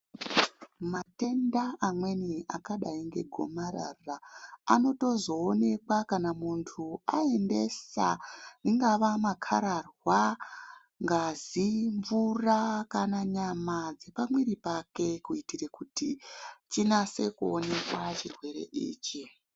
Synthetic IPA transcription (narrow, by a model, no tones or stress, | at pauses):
mate̞ndaamwe̞niakaɗaiŋɡe̞ɡʱo̞̰maɾa̰raano̞to̞zo̞ːne̞kwakanamuntʰua̰e̞nde̞sa̰niŋɡaʋamakʰa̰ɾarwa | ŋɡaziɱvurakanaɲamad͡ze̞pamwiɾipake̞kuitirekutit͡ʃinase̞kuone̞kwat͡ʃirwe̞ɾe̞̰ʔḭːt͡ʃi